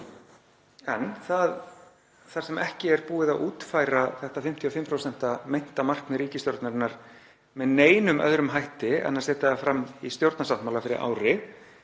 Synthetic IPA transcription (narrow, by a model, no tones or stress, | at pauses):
ɛnθað | θaɾ̥sɛmʔɛhcɪɛɾpuːɪðauːt̪fajɾaθɛht̪afɪm̥t̪ʰiɔfɪmpʰɾowsɛn̥t̪amejn̥t̪amar̥knʏɾiːcɪst̪jowɾt̪naɾnːaɾ̥ | mɛðneːjnʏmʔœ̰ðɾʏmɦajht̪ɪɛ̰nːasɛːt̪aafɾamːist̪jowɾt̪nasawht̪mawlafɪɾɪ̰ɾa̰ːwɾɪ